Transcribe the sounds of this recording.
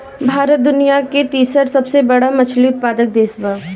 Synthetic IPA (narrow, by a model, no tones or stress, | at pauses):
bʱaːɾət̪̚d̪ʊnijaket̪iːsəɾsɐbsebɐɽamɐt͡ʃʰliʊt̪̚paːd̪ək̚d̪eːsʋa